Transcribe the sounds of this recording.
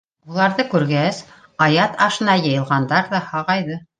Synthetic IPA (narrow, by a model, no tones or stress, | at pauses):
ulˠɑɾðɤkʉɾɡæs | ɑjɑt̪ɑʃɤ̆nɑjɤ̆jɤ̆lˠʁɑnd̪ɑɾðɑhɑʁɑjðɤ